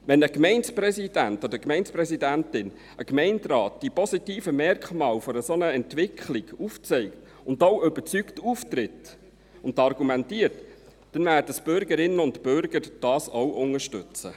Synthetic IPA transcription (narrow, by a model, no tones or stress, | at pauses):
ʋɛnəkmɛɪnspɾɛsid̥æntɔd̪əkmɛɪnspɾɛsidæntɪn | əkmɛɪntɾɑːtd̥ipɔsitiːfəmɛrkχmɑːlfɔɾəsɔnəɛntʋɪkχliɡ̥uft͡sɛɪkt | ʊndowʏbəɾt͡syktuft̪rɪt | ʊndɑrɡ̥umɛntiːət | d̥ɛnvæːrd̥əsb̥ʏɾɡəɾɪnːəʊntb̥ʏɾɡ̥əɾd̥ɑːsowʔʊŋəʃtɵt͡sə̰